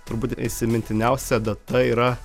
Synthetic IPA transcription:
t̪ʊɾbuːt̪ʲɪʃʲsʲɪmʲɪnʲt̪ʲɪnʲɛʊsʲɛd̪ɐt̪ɐiːɾɐ

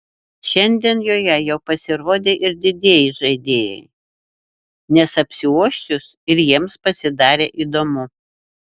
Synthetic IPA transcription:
ʃʲɛnʲd̪ʲiɛnjoːjɛjɛʊpɐsʲɪɾoːd̪ʲeːʔɪɾd̪ʲɪd̪ʲeːjɪʒɐɪd̪ʲeːjɛ̰ɪ | nʲɛsɐpʲsʲɪuɔʃʲt͡ʃʲʊs | ɪɾjiɛmspɐsʲɪd̪ɑːɾʲeːʔiːd̪oːmʊ

